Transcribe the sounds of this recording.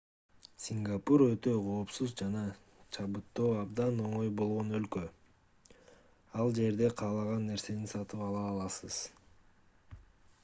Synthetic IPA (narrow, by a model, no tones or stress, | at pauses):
sʲiŋɡapuɾøt̪ø̞qʰo̞ːpsuzd͡ʒɑnɑ | t͡ʃʰɑβɯt̪ːoːɑbd̪ɑno̞ɴo̞jbo̞lˠʁo̞nø̞lkø̞ | ɑlˠd͡ʒe̞ɾd̪e̞qʰɑːlˠɑʁɑnːe̞ɾse̞ninsɑt̪ɯpɑlˠɑːlˠɑsɯz̥